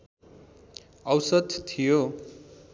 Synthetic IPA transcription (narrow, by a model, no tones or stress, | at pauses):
ʌwsʌd̪t̪ʰːijo